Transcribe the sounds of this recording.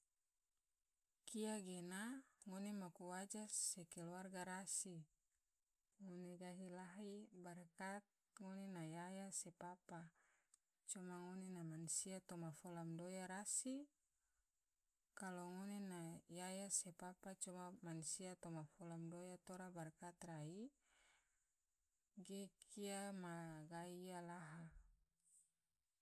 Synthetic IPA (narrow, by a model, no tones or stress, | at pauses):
kiaɡenaŋonemakuwad͡ʒasekɛluarɡaɾasi | ŋoneɡaɦilaɦibarkat̪̚ | ŋonenajajasepapa | t͡ʃɔmaŋonenamansiat̪ɔmafɔlamdojaɾasi | kaloŋonenajajasepapat͡ʃɔmamansiat̪ɔmafɔlamdojat̪oɾabarkat̪rai | ɡekiamaɡaialaɦa